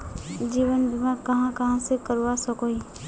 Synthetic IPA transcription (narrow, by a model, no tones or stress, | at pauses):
d͡ʒiːʋənbɪmakɐɦãkɐɦãsekəɾwasəkoi